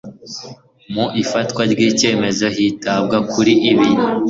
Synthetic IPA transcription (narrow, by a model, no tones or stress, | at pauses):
muʔifatkwaɾɡiːce̞ːme̞zo̞ɦitab̚ɡakʰuɾiʔiβi